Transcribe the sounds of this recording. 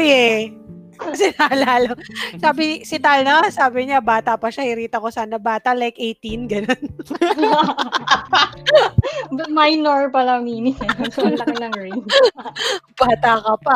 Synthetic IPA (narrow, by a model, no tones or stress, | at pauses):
ʔojɛ | sɪnalaːlɐsaːbɪsɪt̪alnɐsaːbɪɲabaːt̪ɐpɐʃahɪɾiːt̪ɐkosaːnɐbaːt̪ɐlajkʔejt̪inɡɐnon | majnoɹpɐlɐmiːnɪtɐsɐnɐnɐŋɹen | b̥aːt̪ɐkɐpɐ